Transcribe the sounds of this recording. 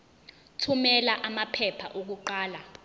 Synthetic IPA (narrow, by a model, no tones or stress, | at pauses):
tʰumɛlaʔamapʰɛpʰaʔok̬uǃaːla